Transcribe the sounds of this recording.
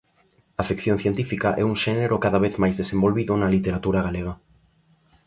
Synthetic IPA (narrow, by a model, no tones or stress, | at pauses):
afikθjõn̟θjent̪ifikaʔɛ̰uŋʃɛneɾokaðaβ̞eθmajzðesẽmbolβiðʊnɐlit̪eɾat̪uɾaɣaleɣa